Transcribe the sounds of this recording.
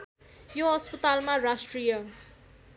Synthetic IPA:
joɦʌspʌt̪almarasʈrijʌ

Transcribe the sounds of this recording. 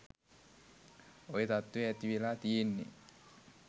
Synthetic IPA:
oit̪at̪ːuet̪iilat̪iːnːḭ

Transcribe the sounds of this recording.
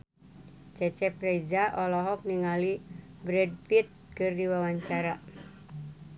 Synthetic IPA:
t͡ʃɛt͡ʃɛpɾeizaʔɔlɔɦɔk̚niŋalibɾɛd̚pit̪̚kɨrdiwawaɲt͡ʃaɾa

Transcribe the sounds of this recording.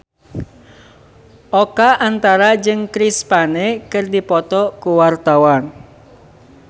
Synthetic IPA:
ʔokaʔant̪aɾad͡ʒɨŋkɾispanekɨrdipɔt̪ɔkuwart̪awan

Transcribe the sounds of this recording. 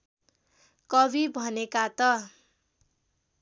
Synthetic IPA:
kʌbʱibʱʌnekat̪ʌ

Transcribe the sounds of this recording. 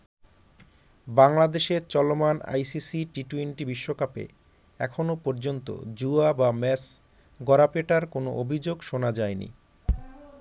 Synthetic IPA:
baŋlad̪eʃeɾt͡ɕɔlomana̰jsisiʈiʈuinʈibiʃːokapḛ | ɛkʰonopoɾd͡ʑont̪o̰d͡ʑuabamɛs | ɡɔɾapeʈaɾkono̰ʔobʱid͡ʑoɡʃonad͡ʑaenḭ

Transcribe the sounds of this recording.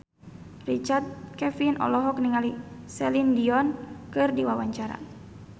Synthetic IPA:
rit͡ʃart̪̚kɛfinʔɔ̰lɔɦɔk̚niŋalisɛlindiɔnkɨrdiwawaɲt͡ʃaɾa̰

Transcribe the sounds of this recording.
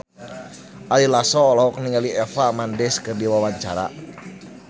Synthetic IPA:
ʔalilasɔːlɔɔk̚niŋaliɛfamandɛskərdiwawaɲt͡ʃaɾa̰

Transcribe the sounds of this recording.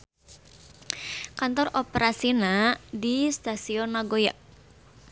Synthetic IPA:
kant̪ɔrɔpeɾasinadist̪asiɔnaɡojaʔ

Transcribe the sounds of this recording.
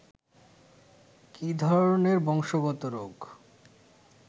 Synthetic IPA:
kid̪ʱɔɾɾoneɾbɔŋʃoɡɔt̪oɾoɡ

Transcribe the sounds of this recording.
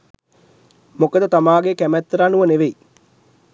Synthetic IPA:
mokəd̪ət̪amaːɡekæmɛt̪ːɾanuʋəneʋei

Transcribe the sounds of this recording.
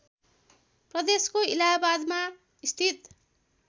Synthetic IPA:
prʌd̪eskoilabad̪ma | ist̪ʰit̪

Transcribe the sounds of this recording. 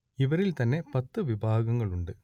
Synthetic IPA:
ɪʋɐɾɪlt̪ɐnːepɐt̪ːɯʋɪbʱaːɣɐŋɡɐɭʊɳɖɯ

